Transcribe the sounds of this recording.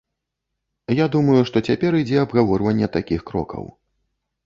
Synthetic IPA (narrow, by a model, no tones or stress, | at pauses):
jad̪umɐjuʂt̪ɔt͡sʲapʲɛɾɨd͡zʲɛɐbɣavɔrvɐnʲːɛt̪akʲixkɾɔ̰kɐ̰w